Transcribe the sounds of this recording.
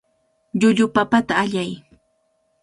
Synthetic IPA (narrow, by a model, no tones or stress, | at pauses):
ʎʊʎʊpapat̪aːʎaj